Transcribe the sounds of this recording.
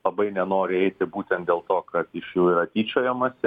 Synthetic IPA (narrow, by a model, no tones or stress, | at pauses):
ɐbɐɪnʲɛnoːɾʲɪɛɪt̪ʲɪbuːt̪ʲɛnt̪d̪ʲeːlˠt̪oːkɐt̪ɪʃjɛʊiɾɐt̪ʲiːt͡ʃʲoːjomɐsʲɛ